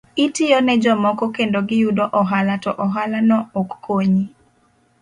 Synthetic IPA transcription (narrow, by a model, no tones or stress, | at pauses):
itɪjɔnɛd͡ʒɔmɔkɔkendoɡɪjudɔʔɔɦalatɔʔɔɦalanɔokːoɲi